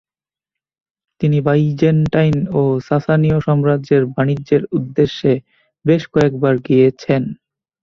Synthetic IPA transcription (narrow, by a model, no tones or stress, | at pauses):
t̪inibajd͡ʑenʈajnosasanioʃɔmɾad͡ʑeɾbanid͡ʑːeɾud̪ːeʃːe | beʃkɔek̚baɾɡijet͡ɕʰen